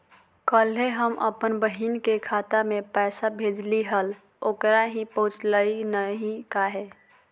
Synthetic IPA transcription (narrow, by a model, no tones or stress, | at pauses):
kəleɦəmʔə̰pənbəɦinkekʰat̪amẽpɛːsabʱeːd͡ʒliɦəl | oːkɾaɦĩpəɦʊ̃t͡ʃləinəɦĩkaɦɛː